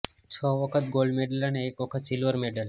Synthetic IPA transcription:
t͡ɕʰɔʋɔkʰət̪ɡolɖmeɖəlaɳekʋɔkʰət̪silʋəɾmeɖəl

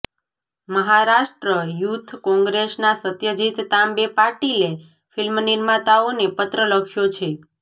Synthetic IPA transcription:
məɦaɾaʃʈɾəjut̪ʰkɔ̃ŋɡɾesnasət̪jəd͡ʒit̪ːambepaɾʈile | filmnɪɾmat̪aonepət̪ɾələkʰjot͡ʃʰe

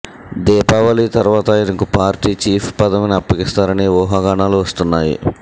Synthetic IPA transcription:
d̪ɛːpaːʋɐlit̪ɐɾʋaːt̪ɐinɐkupaːɾʈiːt͡ʃiːpʰpɐd̪ɐminɐpːɐkist̪aːɾɐniʋɔːɦaːɡaːɳaːluʋɐst̪unːaːjḭ

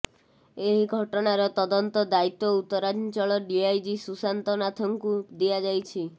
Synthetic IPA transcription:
eɦiɡʱɔʈɔnaɾɔt̪ɔd̪ɔnt̪ɔd̪ait̪ːɔut̪ːɔɾad͡ʒt͡ʃɔɭɔɖiajd͡ʒisusant̪ɔnat̪ʰɔŋkud̪iad͡ʒajt͡ʃʰi

